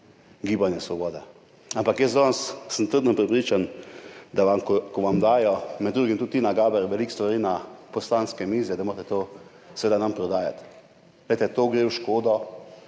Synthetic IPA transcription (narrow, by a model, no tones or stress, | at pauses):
ɡiːbanjɛsʋɔboːd̪ɛ | ampakjəzd̪ɔnssənt̪əɾd̪nɔpɾɛpɾiːt͡ʃand̪aʋamkɔkɔʋamd̪aːjɔmɛd̪d̪ːɾuːɡimt̪ut̪ːinaɡaːbɛɾʋɛlikst̪ʋaɾiːnapɔslanskɛmiːzɛd̪amoːɾt̪ɛt̪oː | sʋeːd̪anampɾɔd̪aːjat̪ | lɛjt̪ɛt̪oːɡɾeːwʃkoːd̪ɔ